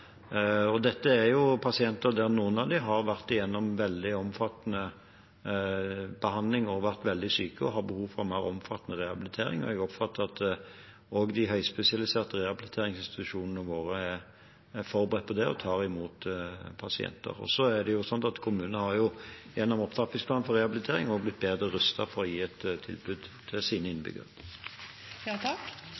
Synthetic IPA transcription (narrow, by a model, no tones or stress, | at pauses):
ɔd̪ɛt̪ːəæɾjʊpʰɑsɪɛnt̪əɾd̪æʁnuːənɑʋd̪ɪɦɑɾʋæʁt̪ɪjɛnːɔmʋɛld̪ɪɔmfɑt̪ːnə | bəhɑnd̪lɪŋɔʋæʁt̪ʋɛld̪ɪsyːkəɔɦɑɾbəhuːʋfɔɾmæɪɾɔmfɑt̪ːənəʁɛhɑbɪlɪt̪ʰeːɾɪ̰ŋɔ̰ɛɡɔpfɑt̪ːəɑt̪ | ɔɡd̪ɪɦœʏspɛsɪɑlɪseːʁt̪əʁɛhɑbɪlɪt̪ʰeːɾɪŋsɪnst̪ɪ̥t̪ʉʂuːnənəʋoːɾəɛ | æfɔɾbəʁɛt̪̚pʰɔd̪ɛɔ̰t̪ʰɑːɾɪmuːt̪pʰɑsɪɛ̰nt̪ə̰ɾɔ̰sɔæd̪ɛjʊsɔnt̪ɑt̪kʰʊmʉːnnəhɑjʊjɛnːɔmɔpt̪ʰɑp̪ɪŋsplɑːnfɔɾʁɛhɑblɪt̪ʰeːɾɪŋɔɡblɪt̪̚ːbeːd̪ʁəɾʉst̪ɑfɔɾɔjiːɛt̪t̪ʰːɪ̰lbʉd̪t̪ʰɪlsiːnəɪnːəbʏ̰ɡə̰ɾə | k